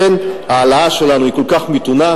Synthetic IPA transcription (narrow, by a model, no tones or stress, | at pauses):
enhaːlaaʃe̞lanuikolkaχmit̪una